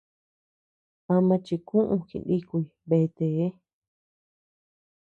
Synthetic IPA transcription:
a˧mã˧t͡ʃi˧kũ˦ʔũ˧kḭ˧˨˧ndi˦ku˧i˨βe˧˨˧t̪e˨˦

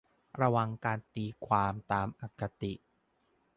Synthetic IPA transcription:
ɾa˧wa˨˧ŋkaː˧nt̪iː˧kʰwaː˧mt̪aː˧mʔa˨˩kːa˧t̪i˨˩ʔ

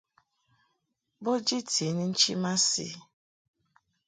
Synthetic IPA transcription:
bo˦d͡ʒi˦tʰi˨ni˦n̩˦t͡ʃi˦ma˦sḭ˦˨

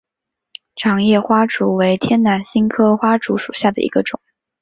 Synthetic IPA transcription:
ʈ͡ʂʰɑ˧˥ŋjɛ˥˩xwa˥ʈ͡ʂu˧˥we˧˥ɪt̪ʰjɛ˥nna˧˥nɕi˥nkʰɤ˥xwa˥ʈ͡ʂu˧˥ʂu˨˩ɕja˥˩d̪ə̰˩ʔḭ˧˥ɡə˧ʈ͡ʂʊ̰˨˩˦ŋ

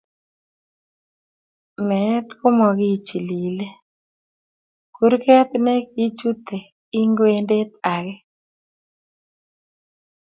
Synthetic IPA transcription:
mɛ˨˦t̪ko˦mɔ˨ɡi˦t͡ʃi˨li˨le˦ | ku˦ɾkɛ˦t̪ne˦ki˦t͡ʃu˦t̪e˨ | i˦ŋɡwe˦nde˦t̪a˨ɡɛ˦

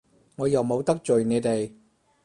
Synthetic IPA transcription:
ŋɔː˨˧jɐ˨wmo˨˧wt̪ɐ˥k̚t͡ʃɵ˨ɥne˨˧jt̪e˨˩j

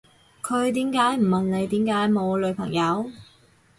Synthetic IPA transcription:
kʰɵ˨˧ɥt̪iː˨˥mkaː˨˥jm̩˨˩mɐ˨nle˨˧jt̪iː˨˥mkaː˨˥jmo˨˧wlɵ˨˧ɥpʰɐ˨˩ŋjɐ˨˧w

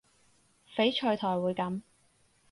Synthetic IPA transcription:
fe˨˥jt͡ʃʰɵ˨˧ɥt̪ʰɔː˨˩jwuː˨˧jkɐ˨˥m

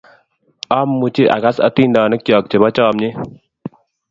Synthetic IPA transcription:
a˦mːu˨t͡ʃi˦ʔa̰˨ka˦sɐ̰˦t̪i˦ndaː˨nɨ˦kjɔ˨k̚t͡ʃe˨ba˦t͡ʃɔː˦˨mɲe˦

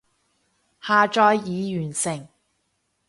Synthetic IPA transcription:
haː˨˧t͡ʃɔː˧jːiː˨˧jyː˨˩nsɪ˨˩ŋ

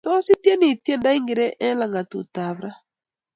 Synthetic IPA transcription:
tɔ˦si˦tjɛ˦ni˨tjɛ˦nda˦i˦ŋɡi˨ɾɛ˦ʔɛ˦la˨ŋɡa˨tṵ˨ta˨βɾa˦

